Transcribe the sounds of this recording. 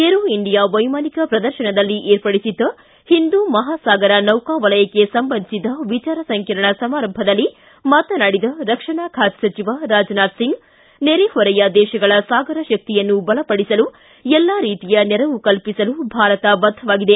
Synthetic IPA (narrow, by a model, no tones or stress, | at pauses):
eɾuiɳɖijaʋɐjmaːnikɐpɾɐd̪ɐɾʃɐɳɐd̪ɐlːiʔeːɾpɐɽisid̪ːɐ | hind̪umɐɦaːsaːɡɐɾɐnɐwkaːʋɐlɐjɐkːesɐmbɐnd̪isid̪ɐʋit͡ʃaːɾɐsɐŋkɐɾɐɳɐsɐmaːɾɐmbʱɐd̪ɐlːi | maːt̪ɐnaːɽid̪ɐɾɐkʂɐɳaːkʰaːt̪sɐt͡ʃiʋaɾaːd͡ʒnaːɖ̪siŋɡ | neɾehɔɾɐjɐd̪ɛːʃɐɡɐɭɐsaːɡɐɾɐʃɐk̚t̪ijɐnːubɐɭɐpɐɽisɐlu | ɛlːaːɾiːt̪ijɐnɛɾɐʋukɐlpisɐlubʱaːɾɐt̪ɐbɐd̪ʱːɐʋaːɡid̪e